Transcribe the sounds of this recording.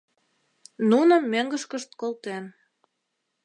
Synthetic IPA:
nunə̆mːøŋɡəʃkəʃt̪̚kolt̪en

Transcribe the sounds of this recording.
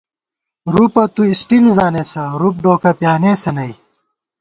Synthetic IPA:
ɾupɐt̪uisʈilzaːneːsɐɾup̚ɖoːkɐpjaːneːsɐnɐj

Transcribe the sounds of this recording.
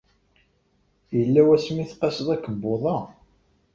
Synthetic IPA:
jəlːæwæsmiθqːɑsəðˤækːəmboðˤɑ

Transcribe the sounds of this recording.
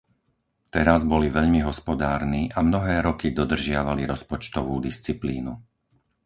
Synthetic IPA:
t̪ɛɾazbɔliʋɛʎmiɦɔspɔd̪aːɾniʔamnɔɦɛːɾɔkid̪ɔd̪r̩ʒɪaʋaliɾɔspɔt͡ʃt̪ɔʋuːd̪ist͡sipliːnu

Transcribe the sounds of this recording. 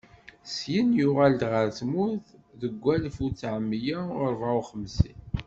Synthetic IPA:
sjənjʊʁald̪ʁəɾt͡smuθðəɡʷːælfut͡sːʕəmːjæʊɾˤvʕuχəmsi

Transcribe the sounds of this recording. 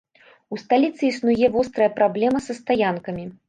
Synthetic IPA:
ust̪alʲit̪sɨisnujɛvɔst̪ɾɐjɐpɾablʲɛmɐsɐst̪ajankɐmʲi

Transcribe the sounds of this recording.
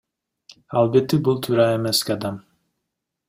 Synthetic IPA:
alˠbet̪ːɪbulˠt̪ʰyːɾɑemeskʲiɑd̪ɑm

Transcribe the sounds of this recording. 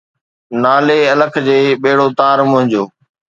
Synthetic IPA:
naːleːɐləkʰd͡ʑeːɓeːɽoːt̪aːɾmʊ̃ɦɪ̃ɲd͡ʑoː

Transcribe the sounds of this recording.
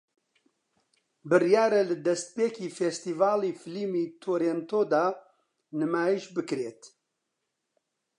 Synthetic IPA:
bɨrjaːɾɛlɨd̪ɛst̪̚peːkiːfest̪iːvaːliːfɨliːmiːt̪ʰoːɾent̪oːd̪aː | nɨmaːjiʃbɨkɾeːt̪

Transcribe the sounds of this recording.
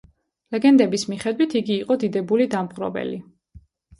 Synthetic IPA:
lɛɡɛnd̪ɛbismiχɛd̪wit̪ʰiɡiːqʼɔd̪id̪ɛbulid̪amχɾɔ̰bɛ̰li

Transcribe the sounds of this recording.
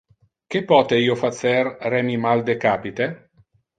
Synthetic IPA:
k̟epːɔːt̪eiːofat̪sɛrrɛmimald̪ekaːpit̪e

